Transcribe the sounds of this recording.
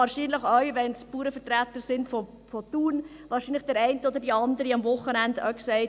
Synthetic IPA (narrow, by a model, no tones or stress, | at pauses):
ɑːɾʃiːnləχœɥʋɛnspuːɾəfətɾæt̪əsɪndfɔ | fɔt̪uːn | ʋɑːɾʃiːnləχd̥ɛɾɛɪntəɔd̪əɾdiɑnd̪əɾiɑmvʊχːənændœ̰ksɛɪ